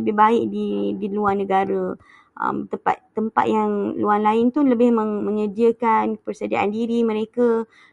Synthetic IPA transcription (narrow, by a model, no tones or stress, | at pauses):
əbɪhbaɪʔ̚didiluarnə̃ɡaɾə | ʔə̰mt̪əmpa̰t̪t̪ːəmpa̰t̪̚jaŋluanlaɪnt̪uləbɪhməŋmə̃ɲədiəkanpərsədia̰ʔa̰ndiɾimə̃ɾeka